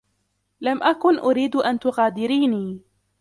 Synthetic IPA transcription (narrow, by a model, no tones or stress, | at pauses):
lamʔakʊnʔʊɾiːd̪ʔant̪ʊɣaːd̪ɪɾiːniː